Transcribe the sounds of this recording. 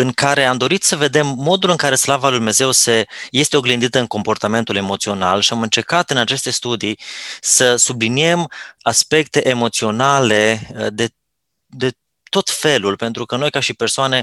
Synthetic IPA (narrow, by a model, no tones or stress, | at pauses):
ɨŋkaɾe̞amd̪o̞ɾit̪səve̞d̪e̞mːo̞d̪ulɨŋkaɾe̞slavalujd̪umne̞ze̞wse̞je̞st̪eo̞ɡlind̪it̪əɨŋko̞mpo̞rt̪ame̞nt̪ule̞mo̞t̪sio̞nalʃiamɨnt͡ʃe̞rkat̪ɨnat͡ʃe̞st̪e̞st̪ud̪isəsublinie̞maspe̞k̚t̪e̞ʔemo̞t̪sio̞nale̞d̪e̞ | d̪e̞ | t̪o̞t̪fe̞lulpe̞nt̪ɾukəno̞jkaʃipe̞rsoane̞